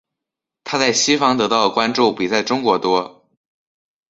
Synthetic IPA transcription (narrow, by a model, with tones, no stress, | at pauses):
t̪ʰa˥t͡sa˥˩ɪɕi˥fɑ˥ŋt̪ɤ˧˥t̪ɑ˥˩ʊlə˩kwa˥nʈ͡ʂu˥˩pi˨˩t͡sa˥˩ɪʈ͡ʂʊ˥ŋkwɔ˧˥t̪wɔ˥